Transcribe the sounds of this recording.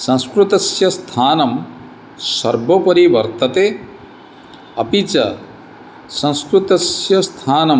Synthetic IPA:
sɐ̃wskɾut̪ɐsjɐst̪ʰaːnɐm | sɐɾbʱɐpɐɾiʋɐɾt̪ɐt̪e | ɐpit͡ʃɐ̰ | sɐ̃w̃skɾut̪ɐsjɐst̪ʰaːnɐm

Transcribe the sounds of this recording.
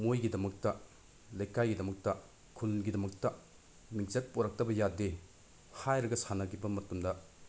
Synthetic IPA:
mojɡidɐmɐk̚tɐ | lɐjkajɡidɐmɐk̚tɐ | kʰulɡidɐmɐk̚tɐ | mik̚zɐt̚poɾɐk̚tɐbɐjade | hajɾɐɡɐsanɐɡibɐmɐtumdɐ

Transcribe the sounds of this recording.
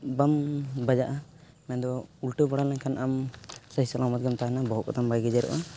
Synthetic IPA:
bambad͡ʒaʔa | mɛnd̪ɔulʈubɔɽalaŋkʰanamsəɦisalamat̪̚ɡamt̪aɦanabɔɦɔkɔ̰t̪ambaɡɛd͡ʒɛɾɔ̰ʔa

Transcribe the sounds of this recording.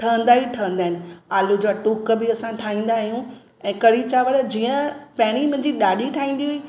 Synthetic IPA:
ʈʰɐʋə̃nd̪aːiʈʰɐʋə̃nd̪aːɦɪnɪ̆aːlud͡ʑaːʈukbɪɐsãʈʰaːĩːn̆d̪aːɦijũ | ɛ̃ːkɐɾit͡ɕaːʋəɽd͡ʑiːə̃pɛːɽ̃imʊ̃ɦɪ̃ɲd͡ʑiɗaːɗiʈʰaːɦĩːn̆d̪iɦʊiː

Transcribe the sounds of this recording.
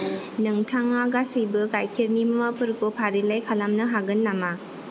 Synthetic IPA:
nɯŋtʰaŋaɡasijbɯkajkʰeɾnimɐmapʰɯɾkopʰaɾilajkʰalamnɯɦaɡɯnːama

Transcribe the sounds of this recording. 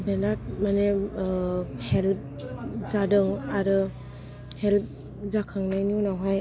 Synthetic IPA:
benat̚mane | help̚ | zadɯŋaɾɯ | help̚ | zakʰaŋnajniunawɦaj

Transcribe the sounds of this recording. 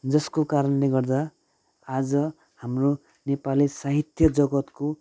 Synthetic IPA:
d͡zʌskokaɾʌnleɡʌrd̪a | ad͡zʌ | hamro | nepalisaɦit̪jʌd͡zʌɡʌt̪ko

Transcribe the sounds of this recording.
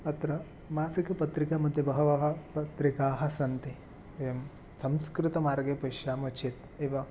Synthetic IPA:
ɐt̪ɾɐ | maːsikɐpɐt̪ɾikamɐd̪ʱːjɐbɐɦɐʋɐɦɐpɐt̪ɾikaːɦɐ̆sɐnt̪e | ʋɐjɐm | sɐmskɾɪt̪ɐmaːɾɡeːpɐjʃaːmɐt͡ʃet̪ | eːʋɐ

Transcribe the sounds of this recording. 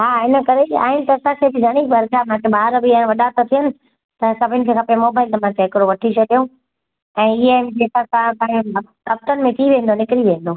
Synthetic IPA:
ɦaːɪnə̆kɐɾea̰ːɦɪnɪ̆t̪ɐɐsãkʰeːbɪzɐɽ̃ikbɐɾkam̤ãkʰebaːɾbɪaːɪnɪʋɐɗat̪ot̪ʰijənɪ̆ | t̪ɐsɐbʱɪnɪ̆kʰeːkʰãːpɐjamoːbaːɪlt̪ɐm̤ãːkʰeɦɪkɾoʋɐʈʰit͡ɕʰɐɗijõ | ɛ̃ːɪɦed͡ʑeːkãsãpakɐp̚t̪ənɪ̆mẽʈ̪ʰiːʋẽːn̆d̪onɪkɪɾiʋẽːn̆d̪oː

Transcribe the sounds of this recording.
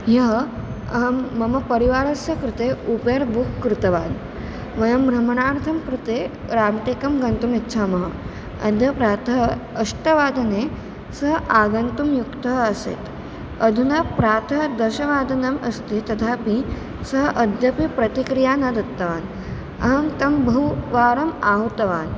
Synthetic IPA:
jɐɦ | ɐɦmːɐmɐpəɾiʋaːɾɐsjɐkɾut̪eupeɾbukːɾut̪ɐʋaːn | ʋɐjɐmbʱɾɐmɳ̃aːɾt̪ʰɐmkɾut̪eɾaːmʈeːkɐmɡɐnt̪umit̪ːt͡ʃʰamɐɦə | ɐ̰d̪ʱjɐpɾat̪ʰəɦəʂʈəʋaːd̪ɐne | sɐɦʔaːɡɐnt̪umjukt̪ɐɦɐsḛːt̪ | ɐd̪ʱunɐpɾaːt̪ʰɐd̪ɐɕɐʋaːd̪ɐnɐmɐst̪it̪ɐt̪ʰapi | səɦʔɐd̪ʱjɐpipɾɐt̪ikɾijaːnɐd̪ɐt̪ːɐʋaːn | ɐɦɐmt̪ɐmbʱɐwʋaːɾɐmaːɦut̪ɐʋaːn

